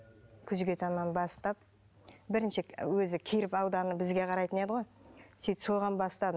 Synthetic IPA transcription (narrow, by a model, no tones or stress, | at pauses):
kʲʰʏzɡʲe̞t̪ʰɑnːɑnbɑst̪ɑp̚ | bɪɾɪnʃɪwɵzɪkʲʰejɾɪpɑwd̪ɑnəbɪzɡʲe̞qʰɑɾɑjt̪əne̞d̪əʁo̞jsit̪so̞ʁɑnbɑst̪ɑd̪ə